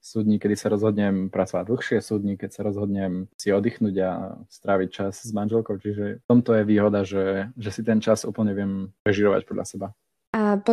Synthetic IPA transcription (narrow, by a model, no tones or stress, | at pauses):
suːd̪ɲikɛd̪isaɾɔzɦɔd̪ɲɛmpɾat͡sɔʋaɟ̚d̪l̩xʃɪɛsuːd̪ɲikɛcsaɾɔzɦɔd̪ɲɛmsiɔd̪ixnuːɟast̪ɾaːʋic̚t͡ʃaszmanʒɛlkɔʊt͡ʃiʒɛt̪ɔmt̪ɔjɛʋiːɦɔd̪aʒɛʒɛsit̪ɛnt͡ʃazṵːpl̩ɲɛʋɪɛmɾɛʒiːɾɔʋa̰c̚pɔd̪ʎʔa̰sɛba | ap